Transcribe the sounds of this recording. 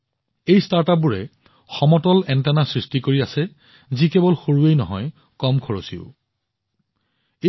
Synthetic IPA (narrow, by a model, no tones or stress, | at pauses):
ejstaɹtap̚buɹɛ | xɔmɔtɔlɛntɛnasɹistikoɹiasɛ | zikɛbɔlxoɹuejnɔ̰ɦɔj | kɔmkʰɔɹosiʊ | e